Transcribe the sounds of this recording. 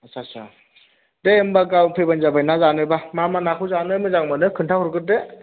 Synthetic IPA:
asʰasa | deembaɡawpʰebanzabajnazanɯbamamanakʰuzanɯmɯzaŋmɯnɯkʰɯntʰahɔɾkɯt̚de

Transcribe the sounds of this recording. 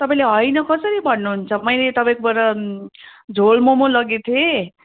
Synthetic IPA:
t̪ʌpãĩleɦʌjnʌkʌsʌɾibʱʌnːuɦunt͡sʰʌmʌĩlet̪ʌpãĩkobʌɾʌ | d͡zʱolmomolʌɡet̪ʰe

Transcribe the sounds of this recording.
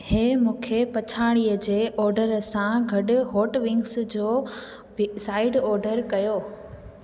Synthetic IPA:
heːmũːkʰepɐt͡ɕʰaːɽ̃iəd͡ʑeːʔɔːɾɖəɾəsãɡʱɐɗʊɦoːʈʋɪ̃ŋɡsd͡ʑoː | saːɪɖɔːɾɖəɾkɐjoː

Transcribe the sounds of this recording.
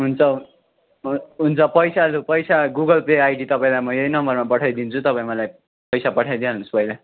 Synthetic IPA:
ɦunt͡sʰʌ | ɦunt͡sʰʌpʌjsalupʌjsaɡuɡʌlpeajɖit̪ʌpaĩlajmʌjejnʌmbʌrmapʌʈʰajd̪int͡sʰut̪ʌpaĩmʌlaj | pʌjsapʌʈʰajd̪ialnuspʌjla

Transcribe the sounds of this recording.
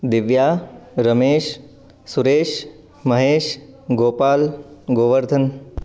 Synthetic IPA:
d̪ɪʋjaːɾɐmeːʃ | suɾeːʃ | mɐɦeːʃ | ɡoːpaːlɡoːʋəɾd̪ʱən

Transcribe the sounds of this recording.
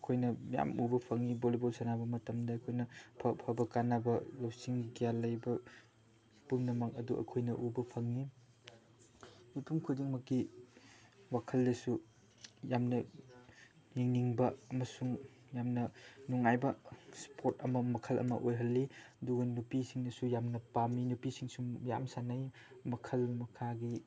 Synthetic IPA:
ɐkʰojnɐja̰mubɐpʰɐŋːibolibolsɐnabɐmɐtɐmdɐːkʰojnɐpʰɐpʰabɐkanabɐlawsiŋɡijalːɐjbɐ | puŋnɐmak̚ɐ̰duʔɐ̰kʰojnɐʔubɐpʰɐŋni | upʰumkʰud͡ʒiŋmɐkːi | wakʰɐldɐsu | jamnɐ | niŋniŋbɐɐmɐsuŋ | jamnɐnuŋajbɐspʰoɾtɐmɐmɐkʰɐlʔɐ̰mɐ̰ʔojɦɐlːiɐduɡɐnupisiŋdɐsujamnɐpaminupisiŋsuja̰msanaj | mɐkʰɐlmɐkʰaɡi

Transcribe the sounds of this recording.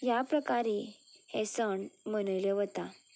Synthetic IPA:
japɾəkaɾihesəɳmənəjleʋət̪a

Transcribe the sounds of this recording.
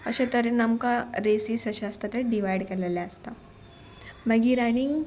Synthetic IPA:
əɕat̪əɾenəmkaɾesiːsəɕaəst̪at̪əɾɖiʋajɽkeɾleljaəst̪a | məɡiɾañiŋɡ

